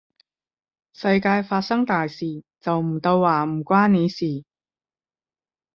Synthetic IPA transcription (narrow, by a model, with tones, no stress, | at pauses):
sɐ˧jkaː˧jfaː˧t̚sɐ˥ŋt̪aː˨jsiː˨˩t͡sɐ˨wm̩˨˩t̪o˧wːaː˨˩m̩˨˩kʷaː˥nneː˨˧siː˨˩